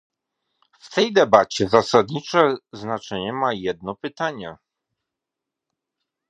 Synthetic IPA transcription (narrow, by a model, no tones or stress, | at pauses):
ft̪ɛjd̪ɛbat͡ɕɛzasad̪ɲit͡ʂɛznat͡ʂɛɲɛmajɛd̪nɔpɘt̪aɲɛ